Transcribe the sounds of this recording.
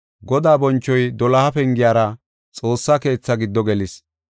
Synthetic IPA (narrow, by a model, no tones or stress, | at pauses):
ɡɔd̪aːbɔnt͡ʃːɔjd̪ɔlɐhɐpɛŋɡɪjaːɾɐ | t͡sʼo̞ːsːaːke̞ːt͡sːɐɡɪd̪ːɔɡɛlɪs